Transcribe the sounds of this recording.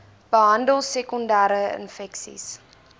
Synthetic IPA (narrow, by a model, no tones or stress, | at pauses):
b̥əɦɐndəlˠsɛkɔndaːɾəə̰nfɛksḭs